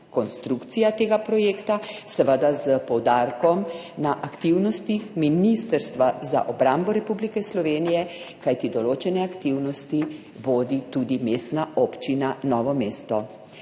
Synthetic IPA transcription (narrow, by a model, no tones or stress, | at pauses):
kɔnst̪ɾukt̪sijat̪eːɡapɾɔjeːkt̪asɛʋəd̪azəpɔwd̪aɾkɔm | naʔakt̪iwnɔst̪ixminist̪əɾst̪ʋaza̰ʔɔbɾambɔɾɛpublikɛslɔʋeːnijɛkajt̪id̪ɔloːt͡ʃɛnɛakt̪iwnɔst̪i | ʋoːd̪it̪ud̪imeːst̪naɔpt͡ʃinanɔːʋɔmeːst̪ɔ